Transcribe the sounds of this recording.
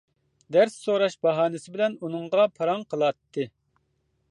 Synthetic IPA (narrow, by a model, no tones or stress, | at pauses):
d̪æɾsːoɾɑʃbɑɦɑːnɪsɪbɪlɛnunɨŋʁɑpʰɑɾɑŋqʰəlˠɑt̪ʰːɨ